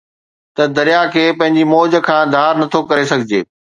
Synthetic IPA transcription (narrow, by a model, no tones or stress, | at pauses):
t̪ɐd̪ɐɾijakʰeːpɐ̃ɦɪ̃ɲd͡ʑimoːd͡ʑə̆kʰãːd̪ʱaːɾnɐt̪ʰokɐɾesɐɡʱɪd͡ʑeː